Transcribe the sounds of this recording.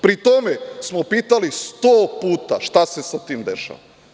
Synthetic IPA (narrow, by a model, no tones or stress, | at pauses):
pɾit̪omesmopiːt̪alist̪oːpuːt̪aʃt̪ase̞sat̪iːmd̪eʃa̰ʋa̰